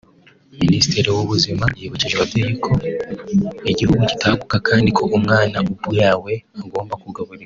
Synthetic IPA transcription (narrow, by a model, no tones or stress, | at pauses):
ministeɾiwuβuzimaɾjeβuciʒeβateɟe̞kʰo̞ | iɟihuɡuci̥taɡukakʰaːndikʰo̞ʔumŋaːnaʔubujaːwe̞aɡo̞ːmbakuɡaβuɾea